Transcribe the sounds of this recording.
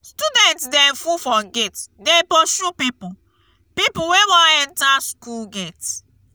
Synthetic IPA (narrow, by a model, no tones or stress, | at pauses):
studɛ̃ntdɛfufɔɡetdepoʃupipu | pipuwewɔ̃ɛ̃ntaskulɡet